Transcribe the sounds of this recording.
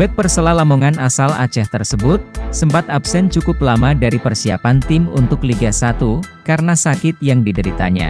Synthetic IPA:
bɛk̚pərsəlahlamoŋanasala̰t͡ʃaht̪ərsəbʊt̪̚səmpat̪ap̚sɛnt͡ʃukʊp̚lamadaɾipərsia̰pant̪ɪmṵnt̪ʊkliɡasat̪ukaɾənasakɪt̪̚jaŋdidəɾit̪a̰ɲa̰

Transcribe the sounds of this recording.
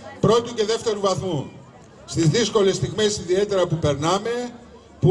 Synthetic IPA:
pɾo̞t̪uce̞ðe̞ft̪e̞ɾuvɐθmu | st̪izðisko̞le̞st̪iɣmesiðie̞t̪e̞ɾɐpupe̞ɾnɐme̞ | pu

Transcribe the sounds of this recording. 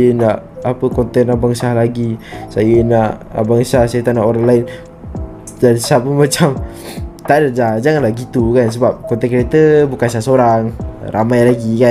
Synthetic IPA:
jənaʔapəkɔnt̪ɛnːabaŋsahlaɡisajənaʔa̰baŋsahsajət̪aʔnaʔoɾaŋlaɪn | dansapunmat͡ʃam | t̪aʔdəd͡ʒad͡ʒaŋanlahɡit̪ukans̬əbap̚kɔnt̪ɛnkəɾet̪əbukansaasoɾaŋrʔa̰majlaɡika

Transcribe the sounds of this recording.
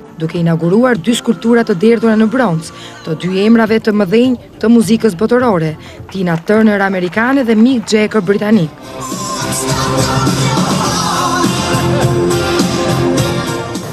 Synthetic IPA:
d̪ukɛinaɡuɾuaɾd̪yskulp̚t̪uɾat̪əd̪ɛɾðuɾanəbɾɔnt͡s | t̪əd̪yɛmɾavɛt̪əməðiɲ | t̪əmuzikəs̬bɔt̪ɔɾɔɾɛ | t̪inat̪əɾnəɾamɛɾikanɛðɛmikd͡ʒɛkəɾbɾit̪anik

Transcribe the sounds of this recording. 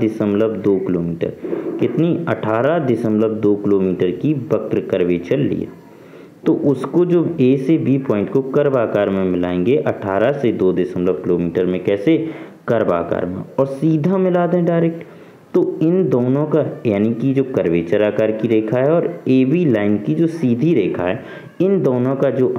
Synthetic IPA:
d̪ɪsəmləbd̪oːkɪloːmiːʈə̰ɾkɪt̪niɐʈʰaːɾad̪ɪsə̃mləb̚d̪oːkɪloːmiːʈəɾkibəkɾkəɾʋeːt͡ʃəɾlḭa̰ː | t̪oʔʊskod͡ʒoːeːsebʱipɔ̃ːɪ̃ɳʈkokɐɾbaːkaːɾmẽmɪla̰ːẽːŋɡeʔɐʈʰaːɾased̪oːd̪ɪsəmləb̚kɪloːmiːʈəɾmẽkɛːsekɐɾba̰ːka̰ːɾmḛ̃ɔːɾsiːd̪ʱamɪlaːd̪eɛ̃ɖaːɪɾeːk̚ʈ | t̪oɪnd̪oːnõkajaːnikid͡ʒoːkɐɾʋeːt͡ʃəɾaːkaːɾkiɾeːkʰaɦɛɔːɾeːbilaːɪnkid͡ʒoːsiːd̪ʱiɾeːkʰaɦɛː | ɪnd̪oːnõkad͡ʒoː

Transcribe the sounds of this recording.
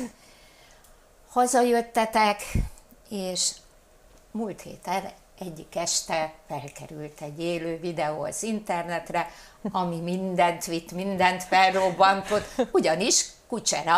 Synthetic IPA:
hɒzɒjø̞t̪ːɛt̪ɛk | eːʃ | muːlt̪hḛːt̪ɛn | ɛɟːikːɛʃt̪ɛfɛlkɛɾylt̪ɛɟːeːløːvid̪ɛo̰sint̪ɛrnɛt̪rɛɒmimind̪ɛnt̪ʋit̪ːmind̪ɛnt̪fɛlrobːɒnt̪o̞t̪ːuɟɒniʃkut͡ʃɛɾɒ

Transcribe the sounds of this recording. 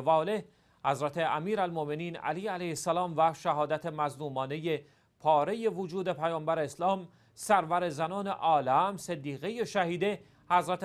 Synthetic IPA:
vɒːle̞h | hæzɾæt̪ʰe̞æmiːɾælmome̞niːnæ̰liːælæjhesːælɒːmvæʃæɦɒːd̪æt̪ʰemæzluːmɒːne̞je̞ | pʰɒːɾe̞je̞vod͡ʒuːd̪e̞pʰæjɒːmbæɾeːslɒːm | sæɾvæɾe̞zænɒːne̞̰ʔɒːlæmsed̪ːiːɣe̞je̞ʃæhiːd̪e | hæzɾæt̪

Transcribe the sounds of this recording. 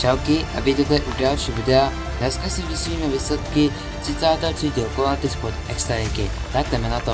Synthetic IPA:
ʒ̥ɛlkɪʔa̰bɪd̪ot̪ɛʔudalʃiːvɪdɛa | dnɛskasiudɪsliːmɛviːslɛt̪kɪ | t̪r̥ɪt͡saːt̪at̪r̥iciokolant̪ɪspot̪ʔɛkst̪ɾaɾɪkɪt̪akt̪ɛmɛnat̪o

